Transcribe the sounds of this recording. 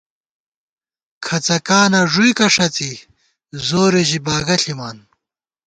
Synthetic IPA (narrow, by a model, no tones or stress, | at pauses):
kʰɐt͡sɐkaːnɐʐujkɐʂɐt͡si | zoːɾiʑibaːɡɐɬimaːn